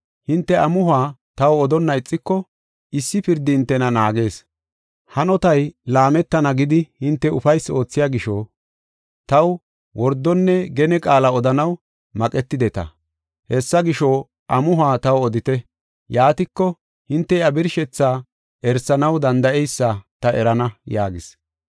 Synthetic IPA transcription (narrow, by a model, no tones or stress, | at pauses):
hɪnt̪ːɛɐmʊhaːt̪ɐwɔd̪ɔnːɐɪt͡sʼːɪkːɔ | ɪsːɪpɪɾd̪ɪnt̪ːɛnɐnaːɡe̞ːs | hɐnɔt̪ɐjlaːmɛt̪ːɐnɐɡɪd̪ɪhɪnt̪ːɛʊfɐjso̞ːt͡sːɪjaːɡɪʃɔ | t̪ɐw | wʔɔɾd̪ːɔnːɛɡɛnɛkʼaːlɐɔd̪ɐnɐw | mɐkʼɛt̪ːɪd̪ɛt̪ɐ̰ | hɛsːɐɡɪʃɔ | ʔɐmʊɦaːt̪ɐwɔd̪ɪt̪ɛ | jaːt̪ɪkːɔ | hɪnt̪ːɛjɐbɪɾʃɛt͡sːaː | ʔɛɾsɐnɐwd̪ɐnd̪ɐɛjsːat̪ɐɛɾɐnɐjaːɡɪs